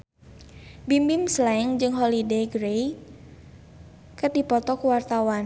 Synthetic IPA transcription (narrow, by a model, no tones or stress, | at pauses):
bimbimslaɪŋd͡ʒɨŋɦɔlidejɡɾej | kərdipɔt̪ɔkuwart̪awan